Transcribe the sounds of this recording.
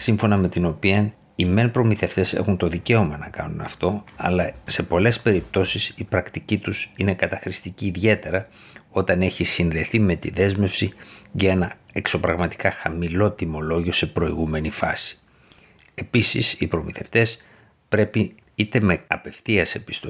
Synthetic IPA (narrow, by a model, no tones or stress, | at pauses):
siɱfo̞nɐmet̪ino̞piɐn | ime̞npɾo̞miθe̞ft̪e̞se̞̰xunt̪o̞ðice̞o̞mɐnɐkɐ̰nunɐ̰ft̪o̞ɐ̰lɐse̞po̞le̞spe̞ɾip̚t̪o̞sisipɾɐkt̪icit̪usine̞kɐt̪ɐxɾist̪iciːðʝe̞t̪e̞ɾɐ | o̞t̪ɐne̞çisinðe̞θime̞t̪iðe̞zme̞fsiʝɐe̞nɐekso̞pɾɐɣmɐt̪i̥kɐxɐmilo̞t̪imo̞lo̞ʝio̞se̞pɾo̞iɣume̞nifɐsi̥ | e̞pisḭsipɾo̞miθe̞ft̪e̞s | pɾe̞pi | it̪e̞me̞ɐpe̞fθiɐse̞pi̥st̪o